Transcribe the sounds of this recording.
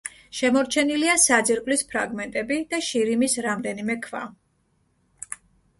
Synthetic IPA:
ʃɛmɔɾt͡ʃʰɛniliasad̪ziɾqʼlispʰɾaɡmɛnt̪ʼɛbid̪̥aʃiɾimisɾamd̪ɛnimɛkʰva̰

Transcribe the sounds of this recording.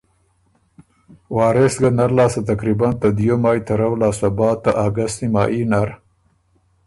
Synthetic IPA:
wɑːɾesɡanaɾlɑːsat̪akɾibant̪ad̪jomɑːjt̪ɐɾawlɑːsabɑːt̪ːaʔaɡast̪imɑ̰ːinaɾ

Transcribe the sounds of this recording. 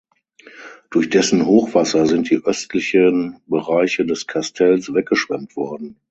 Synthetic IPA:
d̥ʊɐçd̥ɛsn̩ɦoːxv̥asɐzɪnt̚d̥iːʔœstʰlɪçənbəʁaɪçədɛskʰastʰɛlsv̥ɛk̚ɡ̥əʃv̥ɛmtv̥ɔɐdn̩

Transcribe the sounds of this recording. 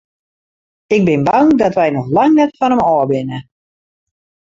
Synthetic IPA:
ɪɡ̚bɪnbaŋdɔtʋɛjnɔxlaŋnɛtfɔnəmɔːbɪnə

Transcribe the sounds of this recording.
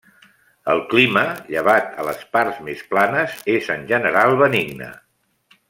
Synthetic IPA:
əlˠkliməʎəβ̞at̪ələspaɾzmesplanəzezənʲʒənəɾalˠβəniɡnə̰

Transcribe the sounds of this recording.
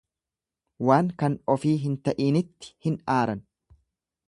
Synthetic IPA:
waːŋkɐnɔfiːɦɪnt̪ɐʔiːnɪt̪ːɪ̥hɪnaːɾɐn

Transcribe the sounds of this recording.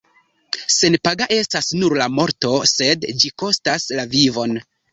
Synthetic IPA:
se̞npaɡaʔe̞stasnuɾlamo̞ɾto̞se̞dd͡ʒiko̞staslavivo̞n

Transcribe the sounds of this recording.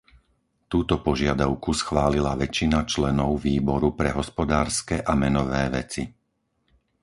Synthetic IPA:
t̪uːt̪ɔpɔʒɪad̪aʊkusxʋaːlilaʋɛt͡ʃinat͡ʃlɛnɔʊʋiːbɔɾupɾɛɦɔspɔd̪aːɾskɛʔamɛnɔʋɛːʋɛt͡si

